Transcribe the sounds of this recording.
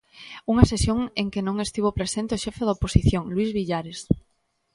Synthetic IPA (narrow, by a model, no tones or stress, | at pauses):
uŋɐsesjoŋeŋkenõŋest̪iβopɾesent̪ɪʊʃɛfeðaoposiθjoŋlwizβiʎaɾes